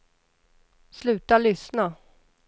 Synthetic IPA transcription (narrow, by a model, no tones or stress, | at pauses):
slʉ̟ːt̪aɭʏsna